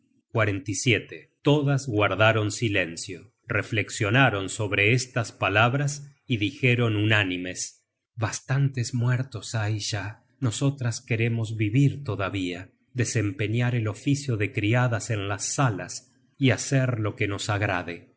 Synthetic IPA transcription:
kwaɾent̪isjet̪et̪o̞ðazɣwaɾðaɾo̞nsilensjo | refleksjonaɾo̞nso̞βɾeest̪aspalaβɾasiðixeɾonunanimes | βast̪ant̪ezmweɾt̪osajʒa | noso̞t̪ɾaskeɾe̞mo̞zβiβiɾt̪oðaβia | ðese̞mpe̞ɲaɾelo̞fisjoðekɾiaðasenlasːalas | iaseɾlo̞keno̞saɣɾa̰ðe

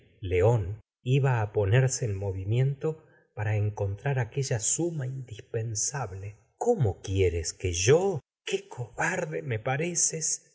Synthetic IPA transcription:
leo̞n | iβaːpo̞neɾseːlmo̞βimje̞nt̪o | paɾaeŋko̞nt̪ɾaɾake̞ʒasumaind̪ispe̞nsaβle | komokjeɾeskeʒo | kekʰoβaɾðemepaɾeses

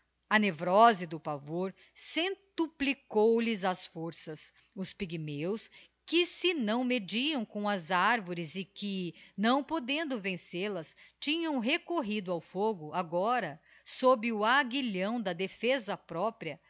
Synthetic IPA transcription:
ɐnevɾɔzɪd̪ʊpavoɾ | sẽt̪uplikowlɪzɐsfoɾsɐs | ʊspiɡimews | kɪsɪnɐ̃w̃med͡ʒiɐ̃w̃kõw̃ɐzaɾvoɾɪzɪkɪnɐ̃w̃pod̪ẽnd̪ʊvẽseɾlɐst͡ʃĩɲɐ̃w̃ɦekoɦid̪ʊawfoɡʊaɡɔɾɐ | sobɪʊaɡiʎɐ̃w̃d̪ɐd̪efezɐpɾɔpɾiɐ

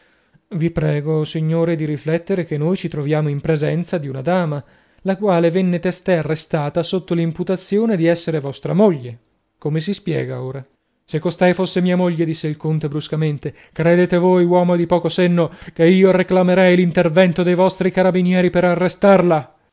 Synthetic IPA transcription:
vipɾɛːɡosiɲːoːɾed̪iɾiflɛt̪ːeɾek̟enːojt͡ʃit̪ɾovjaːmoimpɾezɛnt̪sad̪iunad̪aːma | lakwaːlevenːet̪ɛst̪earːest̪aːt̪asot̪ːolimput̪at̪sːjoːned̪iɛsːeɾevɔst̪ɾamoʎːe | komes̬ispjɛ̰ːɡaoːɾa | sekːost̪ɛjfosːemiːamoʎːed̪isːeilkont̪ebɾuskament̪e | kɾed̪eːt̪evojwɔːmod̪ipɔːkosenːokeiːoreklameɾɛjlint̪ervɛnt̪od̪ejvɔst̪ɾikaɾabinjɛːɾipeɾarːest̪arla

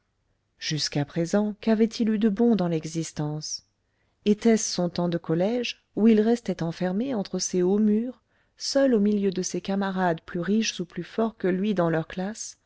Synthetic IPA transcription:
ʒ̥yskapχezɑ̃kavɛt̪ʰilyd̪əbɔ̃d̪ɑ̃lɛɡzist̪ɑ̃s | et̪ɛsːɔ̃t̪ɑ̃d̪əkɔlɛʒ | uilʁɛst̪ɛt̪ɑ̃fɛʁmeɑ̃t̪χəseomyːʁ | sœlomiljød̪əsekamaʁad̪plyʁiʃzuplyfɔʁkəlɥid̪ɑ̃lœʁklas

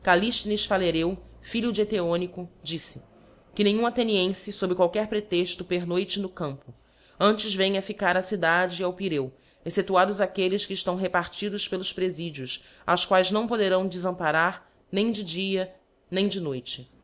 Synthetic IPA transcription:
kaliʃt̪niʃfaleɾewfiʎʊd͡ʒet̪eõnikʊd͡ʒisɪ | kɪnẽj̃ɲũat̪eniẽsɪsobɾɪkwawkɛɾpɾet̪eʃt̪ʊpeɾnojt͡ʃɪnʊkɐ̃mpʊ | ɐ̃nt͡ʃɪzvẽj̃ɐfikaɾɐsid̪ad͡ʒɪawpiɾew | eset̪uad̪ʊzakelɪskɪːʃt̪ɐ̃w̃ɦepaɾt͡ʃid̪ʊʃpelˠʊspɾezid͡ʒiʊs | a̰wskwajznɐ̃w̃pod̪eɾɐ̃w̃d͡ʒɪzɐ̃mpaɾaɾ | nẽj̃d͡ʒɪd͡ʒiɐ | nẽj̃d͡ʒɪnojt͡ʃɪ

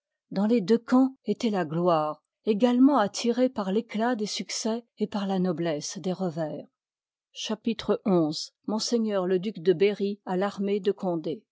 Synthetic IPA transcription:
d̪ɑ̃led̪økɑ̃et̪ɛlaɡlwaːʁ | eɡalmɑ̃at̪ʰiʁepaʁleklad̪esyksɛ | epaʁlanɔblɛsd̪eʁəvɛːʁ | ʃapit̪χəɔ̃z | mɔ̃seɲœʁləd̪ykd̪əbeʁialaʁmed̪əkʰɔ̃d̪e

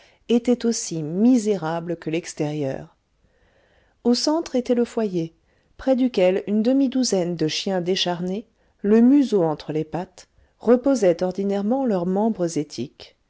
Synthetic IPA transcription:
et̪ɛt̪osimizeʁabləkəlɛkst̪ɛʁjœ̰ːʁ | osɑ̃t̪χet̪ɛləfwaje | pχɛd̪ykʲɛlynd̪əmid̪uzɛnd̪əʃjɛ̃d̪eʃaʁne | ləmyzoɑ̃t̪χəlepat̪ | ʁəpozɛt̪ɔʁd̪inɛʁmɑ̃lœʁmɑ̃bʁəzet̪ʰik

